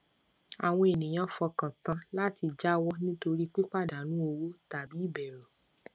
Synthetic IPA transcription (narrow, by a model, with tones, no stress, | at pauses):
a˨w̃ɔ̃˧e˨nĩ˨j̃ã˦fɔ˧kã˨tã˧la˦ti˧d͡ʒa˦wɔ˦nĩ˦to˧ɾi˦k͡pi˦k͡pa˦˨da˨nũ˨˦o˧wo˦ta˨bi˨˦i˦˨bɛ˨ɾo˨